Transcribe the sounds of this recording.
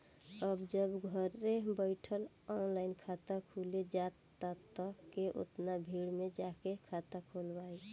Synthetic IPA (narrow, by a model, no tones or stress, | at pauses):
əbd͡ʒəbɡʱəɾːebəɪʈʰəl | ɔnlaɪnkʰat̪akʰuled͡ʒat̪ːat̪əkeʔo̰t̪nabʱiɽmed͡ʒakekʰat̪akʰulbai